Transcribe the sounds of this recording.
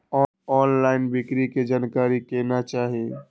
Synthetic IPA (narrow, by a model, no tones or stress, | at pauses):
ɔ | ɔːnlaːɪnbʱɪkɾiked͡ʒaːnkaːɾikenat͡ʃaːɦi